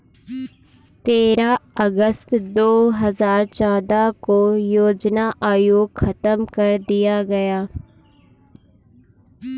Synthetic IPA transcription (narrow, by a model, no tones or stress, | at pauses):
t̪eːɾaɐɡəst̪d̪oːɦɐzaːɾt͡ʃaːd̪akojoːd͡ʒnaʔaːjoːɡxɐt̪əmkɐɾd̪ijaɡɐjaː